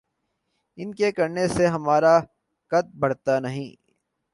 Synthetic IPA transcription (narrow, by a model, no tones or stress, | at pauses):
ɪnkekɐɾneseɦɐmaːɾa | kɐt̪̚bɐɽt̪anɐɦĩː